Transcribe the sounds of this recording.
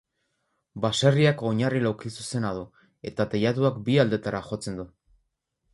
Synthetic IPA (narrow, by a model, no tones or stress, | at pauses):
baseriako̞ɲarilawkisuse̞nað̞u | e̞t̪at̪ejat̪uakbiald̪e̞t̪aɾaxo̞t͡se̞nd̪u